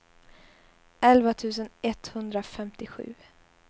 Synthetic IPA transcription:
ʔɛlvat̪ʰʉːs̬ənɛt̪hɵnd̪ɾafɛmt̪ɪɧʉ̟̰ː

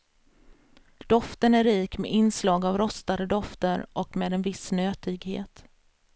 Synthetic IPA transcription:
d̪̥ɔft̪ənæɾːiːkmḛʔɪnslɑːɡavɾɔst̪ad̪əd̪ɔft̪əɾʔɔkmeːd̪ɛnvɪsnøːt̪ɪɡhḛːt̪

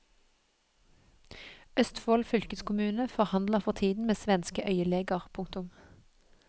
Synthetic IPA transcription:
œst̪foːlfʏlkəskʰʊmʉːnəfɔʁhɑnd̪ləʁfɔʁt̪ʰiːd̪n̩meːsʋɛnskəʔœʏəleːɡəʁpʰʊŋkt̪ʊm

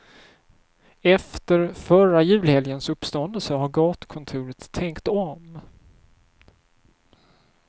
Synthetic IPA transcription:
ɛft̪əɾfœɾajʉ̟ːlhɛljənsɵpːst̪ɔnd̪əlsəɦaɾɡɑːt̪kʰɔnt̪ʰʉːɾət̪ʰːɛŋkt̪ɔm

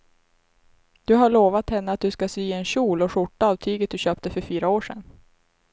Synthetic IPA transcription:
d̪̥ɵɦaɭoːvat̪hɛnːəat̪̚d̪ɵskasyːɛnɕuːlɔɧʊʈːaaːvt̪ʰyːɡət̪̚d̪ɵɕøːpt̪əfœɾfyːɾaoːʂɛ̰n

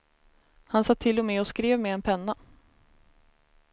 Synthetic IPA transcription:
hansat̪ʰːɪlːɔmɛɔskɾeːvmeɛnpʰɛnːa

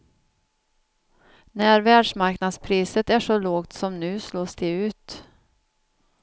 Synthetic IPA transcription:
næɾvæːɖʂmaɾknad̪spʰɾiːsət̪æʂɔloːɡt̪sɔmnʉ̟ːsloːsd̪ɛʉ̟ːt̪

